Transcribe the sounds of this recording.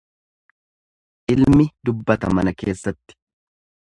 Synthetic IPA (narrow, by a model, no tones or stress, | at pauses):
ʔɪlmɪd̪ʊbːɐt̪ɐmɐnɐke̞ːsːɐt̪ːɪ̥